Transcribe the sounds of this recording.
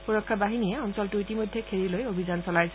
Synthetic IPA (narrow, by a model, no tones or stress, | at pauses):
puɹɔkʰːabaɦinijɛɔnsɔltʊitimojdʱjɛkʰeɹilojobʱizansɔlajs